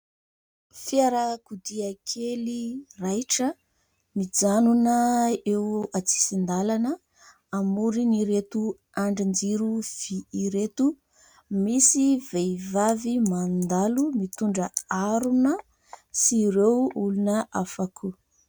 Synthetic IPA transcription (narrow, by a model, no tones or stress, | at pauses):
fiaɾakud̪iakʰelirajʈ͡ʂə | mid͡zanunəewat͡si̥sind̪alanə | amuɾiniɾet̪u | aɳɖ͡ʐind͡ʒiɾuv̥iiɾet̪u | misivejvavimand̪alumit̪uɳɖ͡ʐəaɾunə | siɾewulunəʔafakʰu